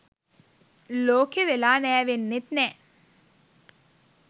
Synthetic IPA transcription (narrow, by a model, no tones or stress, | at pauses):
loːkeʋelaːnɛːʋenːet̪nɛː